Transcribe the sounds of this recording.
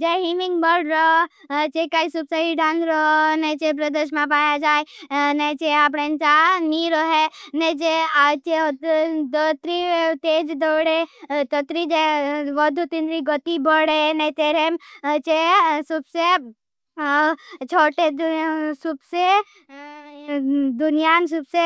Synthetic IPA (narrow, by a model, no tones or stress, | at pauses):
d͡ʒeɦimĩŋɡbəɖɾɔt͡ʃekaisubsaiɖanɾɔnet͡ʃep̬ɾəd̪əʃmãpaːjad͡ʒaːenet͡ʃeap̬ɽent͡ʃaniɾɔɦenet͡ʃeat͡ʃed̪ət̪ɾit̪eːd͡ʒd̪ɔɽet̪ət̪ɾid͡ʒeʋəd̪ʱut̪ind̪ɾiɡɔt̪ibɔɽenet̪eɾemt͡ʃesubse | t͡ʃʰoːʈesubse | d̪unijansubse